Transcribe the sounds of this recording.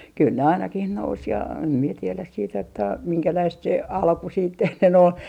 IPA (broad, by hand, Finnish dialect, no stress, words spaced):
kyl ne ɑinɑkih nous jɑ em mie tielæs siːt etːæ miŋkælæist se ɑlku siːt enːen ol